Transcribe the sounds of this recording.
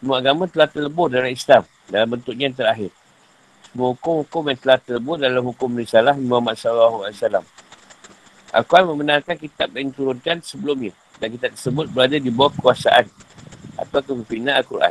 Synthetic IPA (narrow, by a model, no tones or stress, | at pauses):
səmuaaɡamãt̪əlaht̪ələbʊrdalamislam | dalambənt̪ʊʔ̚ɲajnt̪əɾaɦɪr | səmuaɦukʊmhukʊmjaŋt̪əlaht̪ələbʊrdalamɦukʊmrisalaɦmũamat̪̚sɔlalːaɦualasalam | ʔa̰lkuanmə̃mənãŋkankit̪ap̚jaŋit̪uɾʊnkansəbəlumɲã | dank̬it̪ap̚t̪ərsəbʊt̪̚bəɾadadibawakəkuasaʔanʔa̰t̪akəməfinãalkurʔa̰n